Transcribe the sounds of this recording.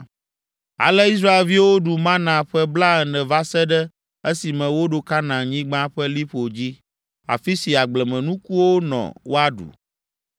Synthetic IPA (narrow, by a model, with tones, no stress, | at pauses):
a̰˨lɛ˦i˦s̬ɾa˦e˨lvi˦wo˦ɖu˨mã˦nã˨ɸɛ˦bla˦ɛ˨nɛ̃˨va˦sɛ˦ɖɛ˦ | e˦si˨mɛ̃˨wo˦ɖo˨ka˦nã˨ɲĩ˦ɡ͡bã˦ɸɛ˦li˦ɸo˨d͡ʑi˦ | a̰˨fi˦si˨a˨ɡ͡blɛ˨mɛ̃˨nũ˦ku˦wo˦nɔ̰̃˨wo˦a˦ɖṵ˨